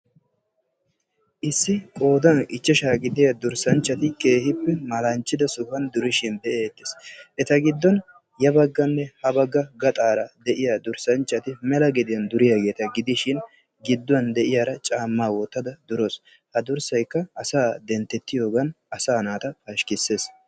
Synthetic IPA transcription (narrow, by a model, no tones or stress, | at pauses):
ʔɪsːɪkʼo̞ːd̪ɐnɪt͡ʃːɛʃaːɡɪd̪ɪjɐd̪ʊɾsɐnt͡ʃːɐt̪ɪke̞ːhɪpːɛmɐlɐnt͡ʃːɪd̪ɐsʊhɐnd̪ʊɾɪʃɪnd̪ɛʔe̞ːt̪ːɪ̥sʔɛt̪ɐɡɪd̪ːɔn | jɐbɐɡːɐnːɛhɐbɐɡːɐɡɐt̪ʼaːɾɐd̪ɛʔɪjad̪ʊɾsɐnt͡ʃːɐt̪ɪmɛlɐɡɪd̪ɪjɐnd̪ʊɾɪjaɡe̞ːt̪ɐɡɪd̪ɪʃɪn | ɡɪd̪ːʊɐnd̪ɛʔɪjaːɾɐt͡ʃʼaːmːaːwɔt̪ːɐd̪ɐd̪ʊɾoːs | hɐd̪ʊɾsɐjkːɐɐsaːd̪ɛnt̪ːɛt̪ːɪjo̞ːɡɐn | ɐsaːnaːt̪ɐfaʃkɪsːe̞ːs